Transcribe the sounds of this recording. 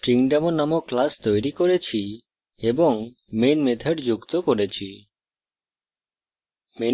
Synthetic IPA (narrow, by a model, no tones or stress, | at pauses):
ʈɾiŋɖemonamoklast̪ojɾikoɾet͡ɕʰi | eboŋ | menmet̪ʰeɾd͡ʑukt̪okoɾet͡ɕʰi | me